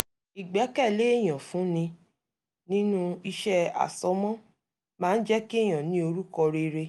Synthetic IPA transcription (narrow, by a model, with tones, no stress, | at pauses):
i˨ɡ͡bɛ˨˦kɛ˦˨le˨˦e˦˨j̃ã˨fũ˨˦nĩ˧ | nĩ˦nũ˦i˧ʃɛ˦a̰˨sɔ˨˦mɔ̃˦ | mãː˦n̩˦d͡ʒɛ˦ki˦e˦˨j̃ã˨nĩ˦o˧ɾu˦kɔ˧ɾe˧ɾe˧